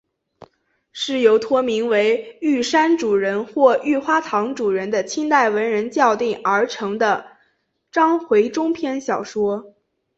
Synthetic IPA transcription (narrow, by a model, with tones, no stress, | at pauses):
ʂɻ̩˥˩jo˧˥ʊt̪ʰwɔ˥mi˧˥ŋwe˧˥ɪy˥˩ʂa˥nʈ͡ʂu˨˩ɻə˧˥nxwɔ˥˧y˥˩xwa˥t̪ʰɑ˧˥ŋʈ͡ʂu˨˩ɻə˧˥nd̪ə˧t͡ɕʰi˥nt̪a˥˩ɪwə˧˥nɻə˧˥nt͡ɕjɑ˥˧ʊt̪i˥˩ŋə˞˧˥ʈ͡ʂʰɤ˧˥ŋd̪ə˧ | ʈ͡ʂɑ˥ŋxwe˧˥ɪʈ͡ʂʊ˥ŋpʰjɛ˥˧nɕjɑ˨˩ʊʂwɔ˥